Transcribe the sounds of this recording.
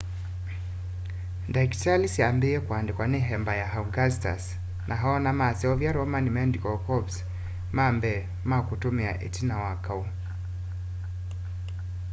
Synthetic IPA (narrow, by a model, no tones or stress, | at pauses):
ndaiktalisiambiɛkwandɛkwanɛɦɛmbajahauɡasta̰s | nʔaɦaɔnamasɛɔvjaɾɔmanimɛndikɔkɔbs | mambɛ | makutumia̰ʔɛ̰tinawakau